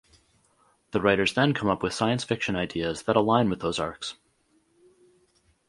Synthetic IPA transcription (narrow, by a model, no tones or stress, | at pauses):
ðɨɹaɪɾə˞zðɨ̃nkʰʌ̃mʌpwɨð̥saɪɨ̃nsfɪkʃɨ̃naɪdiɨzðəɾəlãɪ̃nwɨðoʊzɑɹks